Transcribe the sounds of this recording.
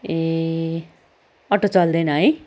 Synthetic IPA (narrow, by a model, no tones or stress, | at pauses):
e | ʌʈot͡sʌld̪enʌɦʌj